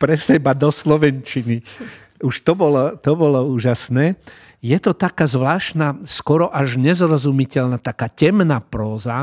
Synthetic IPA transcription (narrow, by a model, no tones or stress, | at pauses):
pɾɛsɛbad̪ɔslɔʋɛnt͡ʃini | uʃt̪ɔbɔlɔt̪ɔbɔlɔuːʒasnɛː | jɛt̪ɔt̪akaːzʋlaːʃnaskɔɾɔʔaʒɲɛzɾɔzumicɛlnat̪akaːcɛmnapɾɔːza